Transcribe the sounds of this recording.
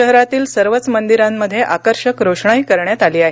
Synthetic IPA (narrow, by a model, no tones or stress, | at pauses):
əɦɾat̪iːlsəɾʋətt͡smənd̪iɾamːəd̪ʱːjeʔakəɾɕəkɾoʂɳaiːkəɾɳjat̪aliːaɦe